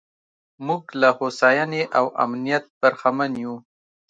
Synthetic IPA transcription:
muɡlahosɑjaneʔawa̰mnijat̪̚baɾxamanju

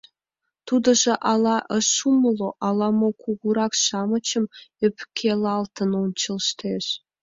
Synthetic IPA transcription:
t̪ud̪ɤ̆ʒĕʔɑlˠɑʔə̆ʃumɤlˠoʔɑlˠɑmokʰuɣuɾɑkʃɑmɤ̆t͡ɕə̆mø̆pkʲʰelɑlˠt̪ə̆nont͡ɕə̆lˠʃt̪ʰeʃ

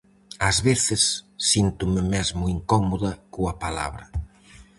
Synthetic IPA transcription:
ɐzβeθɪsːint̪ʊmɪmɛzmʊiŋkɔmoðɐkuɐpala̰βɾɐ

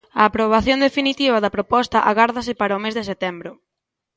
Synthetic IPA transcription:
ɐːpɾoβ̞aθjõnd̪efinit̪iβ̞ɐðɐpɾopɔst̪ɐʔaɣaɾðɐs̬ɪpaɾɐomezðɪset̪ɛmbɾʊ

